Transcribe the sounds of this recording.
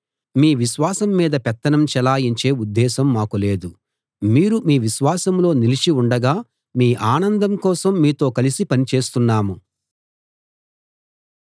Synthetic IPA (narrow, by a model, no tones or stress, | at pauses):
miːʋiʃʋaːsɐmːiːd̪ɐpɛt̪ːɐnɐmt͡ʃɛlaːjiɲt͡ʃe̞ːud̪ːɛːsɐmːaːkule̞ːd̪u | miːɾumiːʋiʃʋaːsɐmlo̞ːnilit͡ʃiuɳɖɐɡaː | miːʔaːnɐnd̪ɐmkɔːsɐmːiːt̪o̞ːkɐlisipɐnit͡ʃe̞ːst̪unːaːmu